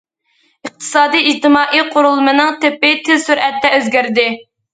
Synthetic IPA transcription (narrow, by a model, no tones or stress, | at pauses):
ɨq̚t̪ʰɨ̥sɑːd̪ijid͡ʒt̪ɨmɑːʔijqʰʊɾulˠmɨnɨŋt̪ʰepːɪt̪ʰɪzsyɾɛt̪ːɛøzɡʲæɾd̪ɪ